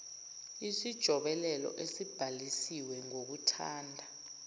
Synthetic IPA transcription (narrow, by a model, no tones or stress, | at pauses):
isid̥ʒ̥ʱɔɓɛlɛlɔ̰ʔesib̥ʱalisiwɛŋok̬utʰa̰ːndʱa